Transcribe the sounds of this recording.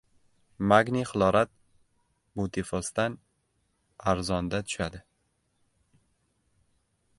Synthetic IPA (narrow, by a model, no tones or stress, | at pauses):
maɡniχɨlˠɒɾat̪̚ | bʊt̪ʰefɒst̪an | aɾzɒnd̪at̪ʰʊ̥ʃad̪ɪ